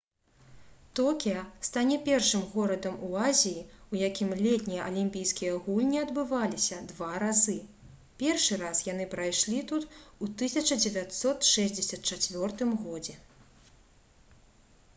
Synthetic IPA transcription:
t̪ɔkʲijɐst̪anʲɛpʲɛrʂɨmɣɔɾɐd̪ɐmuazʲijiujakʲimlʲɛt̪ʲnʲijɐʔɐlʲimʲpʲijskʲijɐɣulʲnʲiɐd̪bɨvalʲisʲɐd̪vaɾazɨ | pʲɛrʂɨɾasjan̪ɨpɾajʂlʲit̪ut̪ut̪ɨsʲɐt͡ʂɐd͡zʲɛvʲat̪sɔt̪ʂɛzʲd͡zʲɛsʲɐt̪̚t͡ʂat͡sʲvʲɔrt̪ɨmɣɔd͡zʲɛ

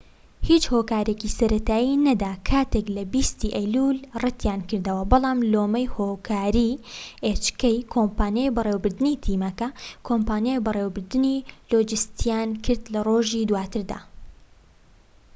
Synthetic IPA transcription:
hiːt͡ʃhoːkaːɾecisɐɾɐt̪aːjinɐd̪aːkʰaːt̪eklɐbist̪iʔɐjlulrɨt̪ʰjaːnkɨɾd̪ɐwɐbɨlˠɑːmloːmɐjhoːkʰaːɾiʔet͡ʃkɐjkʰoːmpaːnjajbɨrewbɨɾd̪ɨnit̪ʰiːmɐkɐkʰoːmpaːnjabɨreːwbɨɾd̪ɨniloːd͡ʒɨst̪ʰijaːnkʰɨɾd̪lɐroːʒiːd̪waːt̪ʰɨɾd̪a̰ː

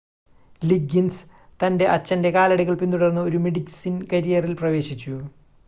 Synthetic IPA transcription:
liɡins | t̪ɐnde̞ʔɐt͡ɕːɐnde̞kaːlɐɽiɣɐɭpint̪uɽɐrnːɨo̞ɾumiɽiɡsinkɐɾijɐrilprɐʋe̞ːɕit͡ɕːu

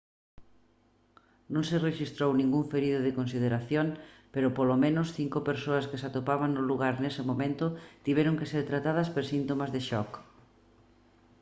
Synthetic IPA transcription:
nõŋsɪreʃist̪ɾownĩŋɡuŋfeɾiðʊðɪkonsiðeɾaθjoŋpeɾʊpolomẽnʊsθiŋkopeɾsoɐskɪsat̪opaβaŋnʊluɣaɾnesɪmomẽnt̪ʊt̪iβɛɾoŋkeseɾt̪ɾat̪að̞ɐspeɾsint̪omazðɪʃɔk

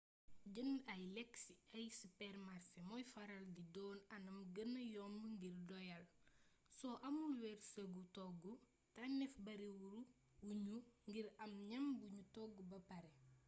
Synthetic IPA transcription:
ɟənɐjlɛksiɐjsupɛrmarsemɔjfɐɾɐldidɔːnɐnɐmɡənɐjɔmŋɡirdɔjɐl | sɔʔɐmulwɛrsəɡutɔɡːu | tɐnɛfbɐɾiwuɾu | wuɲuŋɡiɾɐmɲɐmbuɲutɔɡːubɐpɐɾɛ

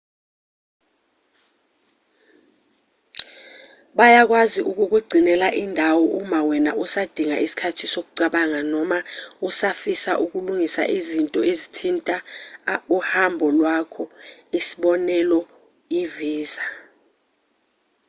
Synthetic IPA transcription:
ɓajak̬waziʔuk̬uk̬weɡ͡ǀʱinɛlaʔindʱawɔʔumawɛnaʔusad̥ʱiŋaʔisi̥kʰatʰisok̬uǀaɓaŋanɔmausafisaʔuk̬uluŋisa̰ʔizintʼɔʔezitʰintʼa | uhambʱɔlwakʰɔisi̥ɓɔnɛlɔ | iviːza

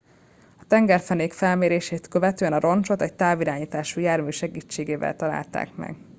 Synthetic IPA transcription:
ɒt̪ɛŋɡɛrfɛneːkfɛlmeːɾeːʃeːt̪kø̞vɛt̪øːɛnɒɾo̞nt͡ʃo̞t̪ɛct̪aːviɾaːɲiːt̪aːʃuːjaːrmyːʃɛɡiːt͡ʃːeːɡeːvɛ̰lt̪ɒla̰ːlt̪a̰ːkmɛ̰ɡ

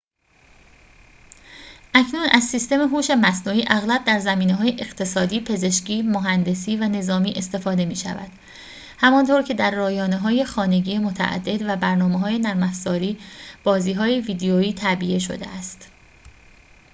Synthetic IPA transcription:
ʔæcʰnuːnʔæzsiːst̪e̞meɦuːʃe̞mæsnuːiːʔæɣlæb̚d̪æɾzæmiːneɦɒːjeʔeɢt̪ʰe̞sɒːd̪iːpʰe̞ze̞ʃciːmoɦænd̪e̞siːvæne̞zɒːmiːʔe̞st̪e̞fɒːd̪e̞miːʃæ̰væ̰d̪̥ | hæmɒnt̪ʰoɾcʰe̞d̪æɾːɒːjɒːneɦɒːje̞xɒːne̞ɟiːemo̞t̪ʰæ̰ʔæ̰d̪ːe̞d̪væbæɾnɒːmeɦɒːje̞næɾmæfz̥ɒːɾiːb̥ɒːziːɦɒːje̞viːd̪eoiːt̪ʰæbijeʃo̰d̪e̞̰ʔæst̪

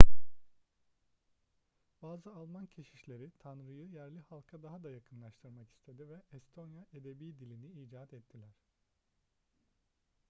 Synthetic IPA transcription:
baːzɯalˠmancʰeʃiʃlʲe̞ɾit̪ʰanɾɯjɯjæɾlʲihalˠkʰad̪aɦad̪ajakʰɯnlˠaʃt̪ʰɯɾmaki̥st̪ʰe̞d̪ivɛɛst̪ʰo̞njaed̪ebiːd̪ilʲiniiːd͡ʒaːt̪ɛt̪ʰːilʲæɾ̥

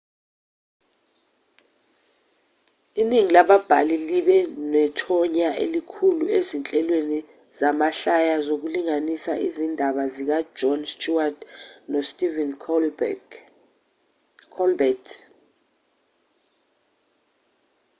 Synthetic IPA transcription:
iniŋilaɓab̥ʱaliliɓɛnɛtʰɔɲaʔḛlikʰuluezint͡ɬʼɛlweni | zamaɬajazok̬uliŋanisaʔizindʱaɓazik̬ḁd͡ʒɔnstʼuadnɔstʼivɛn | kʰɔlbɛtʰ

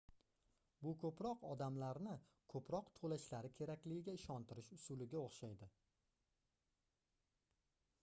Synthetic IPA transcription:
bʊkʰɵpɾɒqɒd̪amlaɾnɪkʰɵpɾɒqt̪ʰolaʃlaɾɪkʲʰe̞ɾakʲlɪɡʲɪɡʲaɪʃɒnt̪ɪɾɪʃʊsʊlɪɡʲaoχʃajd̪ɪ

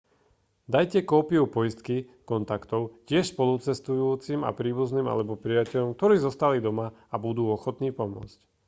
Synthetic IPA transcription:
d̪ajcɛkɔːpiupɔjist̪kikɔnt̪akt̪ɔʊcɪɛʃspɔlut͡sɛst̪ujuːt͡sima̰pɾiːbuzniːma̰lɛbɔpɾijacɛʎɔmk̚t̪ɔɾiːzɔst̪alid̪ɔmaabud̪uːɔxɔt̪niːpɔmʊɔ̰t͡sc

